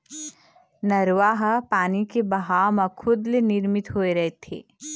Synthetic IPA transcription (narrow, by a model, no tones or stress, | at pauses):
nɐɾʋaːɦapaːnikebɐɦaːmãkʰʊd̪lenɪɾmɪt̪ɦoːeɾɐɦet̪ʰḛː